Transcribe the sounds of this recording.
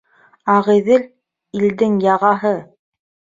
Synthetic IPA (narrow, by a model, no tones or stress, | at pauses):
ɑʁĭðɘl | ild̪ɘŋjɑʁɑɦɤ